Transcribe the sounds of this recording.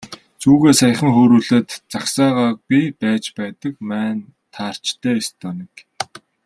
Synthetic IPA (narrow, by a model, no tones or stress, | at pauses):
t͡suːɣeːsaj̆χə̆ŋxoːɾuːɮɘ̆t̪t͡saksaːʁaːpʲipæːt͡ɕpæːt̪ə̆kmæːn | t̪ʰaːr̥t͡ɕt̪ʰæːest̪ʰɔːnĭk